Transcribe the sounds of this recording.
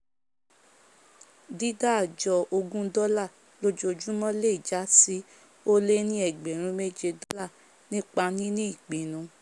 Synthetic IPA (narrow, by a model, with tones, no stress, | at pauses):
di˦da˦˨d͡ʒɔ˧o˧ɡũ˦dɔ˦la˦˨ | lo˧d͡ʒo˧d͡ʒũ˦mɔ̃˦le˦i˨d͡ʒa˨˦si˦ | o˦le˦nĩ˦ɛ˨ɡ͡be˨ɾ̃ũ˧˦me˦d͡ʒe˧dɔ˦la˦˨ | nĩ˦k͡pa˧nĩ˦nĩ˦i˦˨k͡pe˨nũ˧˦